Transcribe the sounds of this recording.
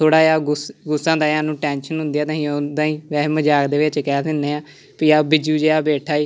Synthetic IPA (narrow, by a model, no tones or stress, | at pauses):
t̪ʰoːɽaːaːɡʊsɡʊsːãːd̪aːaːnũːʈɛːnʃənɦʊ̃nd̪ijaːt̪ãːɦĩːod̪aːĩːʋɛːməd͡ʒaːkd̪eːʋet͡ʃkɛːsɪnːeːaː | piːaːbɪd͡ʒuːd͡ʒeːaːbeːʈʰaːiː